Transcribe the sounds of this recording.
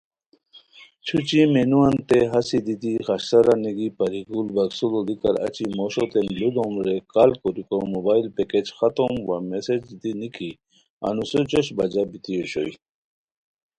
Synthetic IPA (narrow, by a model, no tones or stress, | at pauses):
t͡ɕʰut͡ɕimenuant̪eɦasid̪it̪ixaɕt̪aɾaniɡipɐɾiɡulbɐksulolikaɾa̰t͡ɕimoɕot̪emlud̪omɾekalkoɾikomobailpeked͡ʑxat̪omwamesed͡ʑd̪inikʰi | a̰nusot͡ɕɔɕbɐd͡ʑabit̪ijoɕo̰j